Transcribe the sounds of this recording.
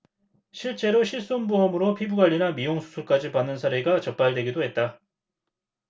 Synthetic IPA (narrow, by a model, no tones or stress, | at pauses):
ɕʰiɭt͡ɕ͈e̞ɾoɕʰiɭs͈onbuʌmɯɾopʰibuɡwaʎːinamijoŋsʰu̥sʰuɭk͈ad͡ʑipanːɯnsʰaɾeɡat͡ɕʌp̚p͈aɭdwe̞ɡidoɦe̞t̚t͈a